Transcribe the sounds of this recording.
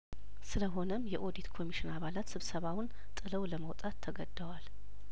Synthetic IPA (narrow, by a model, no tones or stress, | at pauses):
sɨləɦo̞nəmjɛʔo̞d̪it̪kʰo̞miʃɪnaβalat̪sɨβsəβawʊn | t̪ʼːɨləwləməwt̪ʼat̪ʰːəɡəd̪ːəwal